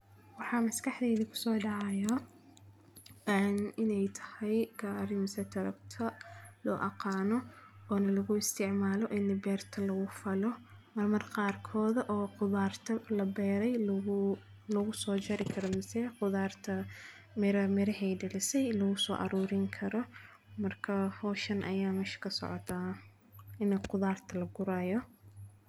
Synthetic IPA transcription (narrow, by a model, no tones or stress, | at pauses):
wɑħɑːmɐskɑħd̪ɛːðikʰʊ̥sɔːɖɑʕɑjɔ | ɛnɪnɛjt̪ʰɐ̥hɛjɡ̥aːɾɪmɐsɛːt̪ʰɐɾɐ̰b̚t̪ʰɐlɔ̰ːʔɑqɑːnɔɔːnɐlɐɣʊɪst̪ʰɪʕmaːlɔʔɪnːɪbɛːrt̪ʰɐlɐɣʊfɐlɔmɐrmɐrqɑːrkʰɔːðɐʔɔːqʊðaːrt̪ʰɐlɐbɛːɾɛj | lɔɣʊsɔːt͡ʃɐɾɪkʰɐɾɔmɪsɛːqʊðaːrt̪ʰɐ | mɪɾɐmɪɾɐhɛjdɐlɪsɛjlɐɣʊsɔ̰ːʔɑ̰ɾuːɾɪŋkʰɐɾɔ | mɐrkʰɐhɔːʃɐnʔɐ̰jaːmɛʃɐ̥kʰɐsɔ̰ʕɔ̰t̪ʰa | ɪnqʊðaːrt̪ʰɐlɐɡʊɾaːjɔ